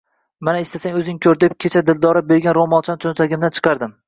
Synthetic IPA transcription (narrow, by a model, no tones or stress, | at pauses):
manaɪst̪asaŋʲɵzɪŋkʰʲɵɾd̪ɪp̚kʲʰet͡ʃʰad̪ɪld̪ɒɾɪbeɾɡʲanɾomɒnˠt͡ʃʰant͡ʃʰont̪ʰaɡʲɪmd̪ant͡ʃʰɨ̥qʰɑɾd̪ɪm